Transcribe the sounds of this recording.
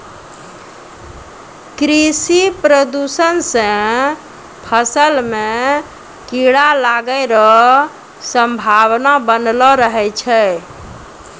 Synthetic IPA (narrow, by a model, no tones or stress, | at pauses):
kɾisipɾəd̪usənsə̃ | pʰəsəlme | kiɽalaɡəjɾɔ | səmbʱawnabənlɔɾəɦɛt͡ʃʰɛ